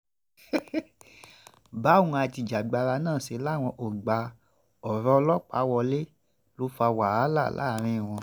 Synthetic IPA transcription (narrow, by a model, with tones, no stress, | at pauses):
ba˨˦wũ˧a˧ti˧˨d͡ʒa˨ɡ͡ba˧ɾa˧nãː˦˨ʃe˧˦la˦˨w̃ɔ̃˧ʔo˨ɡ͡ba˨˧ | ɔ˨ɾɔ˦˧lɔ˦k͡pa˨˦wɔ˧le˦ | lo˨˦fa˧wa˨a˨˦la˦˨lʔa̰˦˨ɾ̃ĩ˦˨w̃ɔ̃˧